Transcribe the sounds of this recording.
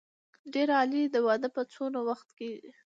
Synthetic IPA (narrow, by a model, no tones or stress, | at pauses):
ɖeɾalid̪əwad̪əpət͡sonawaxt̪ke